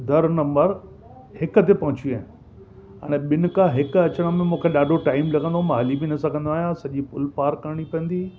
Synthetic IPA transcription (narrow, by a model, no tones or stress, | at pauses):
d̪ʱɐɾnɐ̃mbəɾ | hɪkə̆t̪epɐɦʊ̃t͡ɕiaːɦɪ̃ | ɐ̰ɽ̃eɓɪnʊ̆kãɦɪkɐt͡ɕəɽ̃ə̃mẽmũːkʰeɗaːɖʱoʈaːɪmlɐɡʱə̃nd̪omãɦɐlibinɐsɐɡʱɐ̃nd̪oaːɦjãsɐʄipʊlpaːɾkɐɾɪɽ̃ipɐ̃ə̃nd̪iː